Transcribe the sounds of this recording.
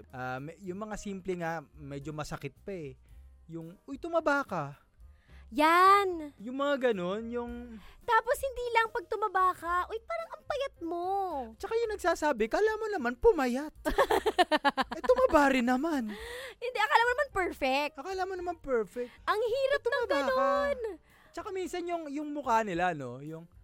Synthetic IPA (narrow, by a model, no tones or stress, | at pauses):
ʔamɛjʊŋmɐŋasiːmplɛŋamɛːd͡ʒomɐsɐkɪt̪̚pɐɛ | jʊŋʔojt̪ʊmɐbaːkɐ | janjʊŋmɐŋaɡɐno̞njʊŋt̪aːposhɪnd̪iːlɐŋpɐɡ̚t̪ʊmɐbaːkɐʔojpaːɾɐŋʔɐmpɐjɐt̪̚mo̞t͡ʃɐkajʊŋnɐɡ̚saːsaːbɪkɐʔlaːmonɐmanpʊmɐjat̪̚ | ɛt̪ʊmɐbaːɾɪnɐmanhɪnd̪ɛʔɐkalaːmɐnɐmanpɛɹfɛk̚t̪ʔɐkalaːmɐnɐmanpɛɹfɛk̚ʔɐŋhiːɾɐp̚t̪ʊɐmabɡaːokn | t͡ʃɐkamiːnsɐnjʊŋjʊŋmʊkaːnɪlano̞̰jʊŋ